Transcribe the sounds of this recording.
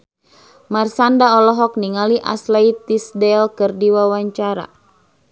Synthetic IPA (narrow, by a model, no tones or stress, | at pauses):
marsandaɔlɔɦɔk̚niŋaliʔa̰slait̪isdɛlkɨrdiwawaɲt͡ʃaɾa̰